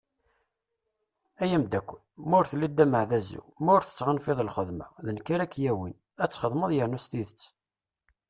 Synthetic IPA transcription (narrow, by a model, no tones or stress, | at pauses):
æjæmd̪ækʷːəlmʊɾθlːid̪ːæməʕðæzːṵmʊɾθə̥t͡sːʁənfiðˤəlχəðmæ̰ðənkːaɾækːjæwin | æt͡sːχəðˤməðˤjəɾnust̪iðət͡sː